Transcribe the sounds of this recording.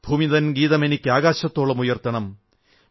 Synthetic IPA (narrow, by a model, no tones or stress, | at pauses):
b̥ʱuːmiðɐnɡiːðɐme̞nikʲːɨaːɣaːɕɐt̪ːo̞ːɭːɐmujɐrt̪ɐɳɐm